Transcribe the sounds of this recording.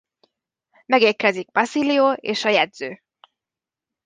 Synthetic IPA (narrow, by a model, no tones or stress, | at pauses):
mɛɡeːrkɛziɡ̚bɒsilioːeːʃɒjɛd̪zøː